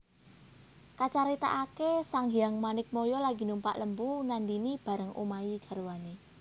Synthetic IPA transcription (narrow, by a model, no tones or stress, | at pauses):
kat͡ʃaɾit̪a̰ʔakesaŋɦijaŋmanɪk̚mɔjɔlaɡ̥i̤numpa̰ʔləmpunandinib̥a̤ɾəŋṵmaiɡ̥a̤ɾuwane